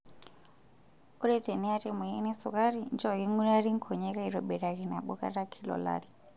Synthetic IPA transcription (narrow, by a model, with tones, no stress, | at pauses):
u˦ɾe˦te˨ni˦a˦tɛ˦mu˨˦nɛ˦sṵ˨ka˦ɾind͡ʒɔ˦˨ɣi˦ŋu˦ɾa˦ɾi˦ŋ˦kʰɔ˨ɲɛ˦ka˦i˨rɔ˨ɓɛ˨ɾa˨ki˨na˨ɓɔ˦ka̰˦ɾa˦kʰi˦lɔ̰˨la̰˦ɾi˨